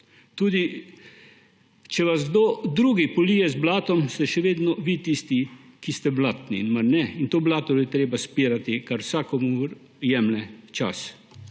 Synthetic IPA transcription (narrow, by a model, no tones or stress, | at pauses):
t̪uːd̪i | t͡ʃɛʋazɡd̪oːd̪ɾuːɡipɔliːjɛzblaːt̪ɔmst̪ɛʃɛʋeːd̪nɔʋit̪ist̪ikist̪ɛblaːt̪nḭinmaɾnɛint̪oːblaːt̪ɔjɛt̪ɾeːbaspiːɾat̪ikaɾwsaːkɔmuɾ | jɛːmlɛt͡ʃa̰s